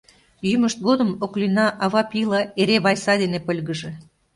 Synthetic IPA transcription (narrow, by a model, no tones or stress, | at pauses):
jyməʃt̪̚ɡod̪əmoklinɑʔɑβɑpilɑeɾeβɑjsɑd̪enepə̆lʲɣə̆ʒĕ